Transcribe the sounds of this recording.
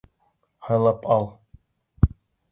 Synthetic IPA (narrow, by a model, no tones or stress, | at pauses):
hɑjlˠɑpʰɑlˠ